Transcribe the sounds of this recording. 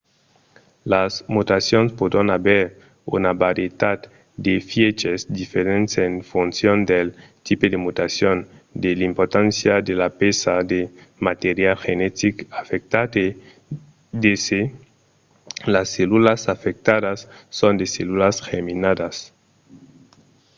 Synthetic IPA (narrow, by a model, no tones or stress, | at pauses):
lasmut̪asjonspod̪ɾanaβeɾ | ṵnabaɾjet̪ad̪ | d̪efjet͡ʃesd̪ifeɾensenfunsjond̪elt̪iped̪emut̪asjond̪elimpoɾt̪ansjad̪elapesad̪emat̪eɾjalxenet̪ikafek̚t̪at̪e | d̪ese | lasːelulasafek̚t̪aðasːond̪eselulasxeminad̪as